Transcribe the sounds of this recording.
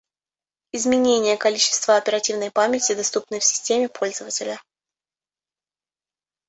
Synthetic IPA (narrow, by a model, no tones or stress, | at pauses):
ɪzmʲɪnʲenʲɪjəkɐlʲit͡ɕːɪ̥st̪vəɐpʲɪɾɐtʲivnəjpamʲɪtʲɪd̪ɐst̪upnɨjfsʲɪ̥sʲtʲemʲɪpʰo̞lʲzəvətʲɪlʲə